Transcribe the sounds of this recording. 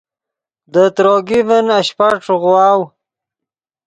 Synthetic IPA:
d̪ət̪ɾoːɡivənaɕpaʈ͡ʂɣwɑːw

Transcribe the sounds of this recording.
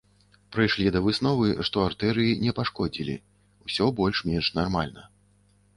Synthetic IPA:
pɾɨjʂlʲid̪ɐvɨsn̪ɔvɨʂt̪ɔart̪ɛɾɨjinʲɛpaʂkɔd͡zʲilʲḭ | wsʲɔbɔlʲʂmʲɛnʂnarmalʲnɐ

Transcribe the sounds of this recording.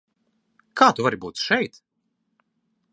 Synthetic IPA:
kaːt̪uvaɾibuːt̪ʃɛjt̪

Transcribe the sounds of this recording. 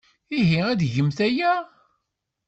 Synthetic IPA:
iɦiæðʝəmθæjæ

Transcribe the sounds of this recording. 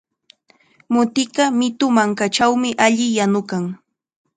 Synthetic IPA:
mʊt̪ɪkɑmɪt̪ʊmaŋkat͡ʃawmɪʔaʎɪjanʊkaŋ

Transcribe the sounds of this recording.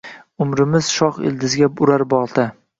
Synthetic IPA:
ʊmɾɪmɪz̥ʃɒχɪ̰ld̪ɪzɡʲaʊɾaɾbɒʁˠd̪a

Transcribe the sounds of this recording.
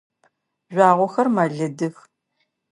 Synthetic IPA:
ʑʷɑːʁʷɔxɐrmɐɮɐdɨx

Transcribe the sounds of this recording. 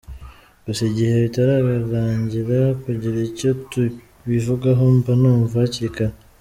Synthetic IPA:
ɡ̥usiɟihe̞βitaɾaβiɾaːɲɟiɾakuɟiɾaico̞tu | βivuɡaɦombanuːmvaciika

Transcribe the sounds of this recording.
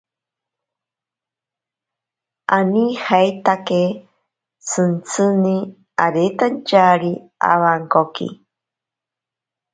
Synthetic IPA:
ʔanihajt̪ake | t͡sʰɨnt͡sʰɨni | aɾet̪ant͡ʃaɾi | a̰waŋkokḭ

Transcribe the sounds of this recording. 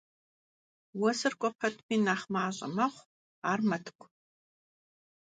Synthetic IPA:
wɔsɨrkʷʼɔpʰɐtʰpʰiːnaːχmaːɕʼɐ̰mɐχʷ | aːrmɐtʰkʷʰʼ

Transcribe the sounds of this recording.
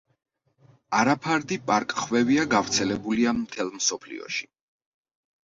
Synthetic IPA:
aɾapʰaɾd̪ipʼaɾkʼχwɛviaɡavɾt̪sʰɛlɛbuliamt̪ʰɛlˠmsɔpʰlḭɔ̰ʃi̥

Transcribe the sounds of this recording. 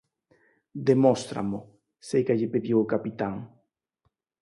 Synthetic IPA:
d̪emost̪ɾa̰mʊ | sejkaʎepeðiwokapit̪aŋ

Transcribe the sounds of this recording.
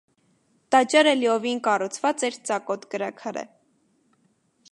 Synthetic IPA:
t̪ɑt͡ʃɑɾɛliɔvinkɑrut͡sʰvɑt͡sɛɾt͡sɑkɔt̪kəɾɑkʰɑɾə̰

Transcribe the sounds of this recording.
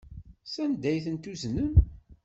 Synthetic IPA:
sænd̪æjθənt̪uznən

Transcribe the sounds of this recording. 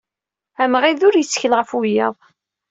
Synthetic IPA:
æmʁiðʊɾjət͡sːçəlʁəfʊjəðˤ

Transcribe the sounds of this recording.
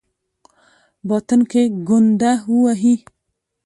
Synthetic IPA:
bɔt̪ənkeɡʊnd̪auaɦi

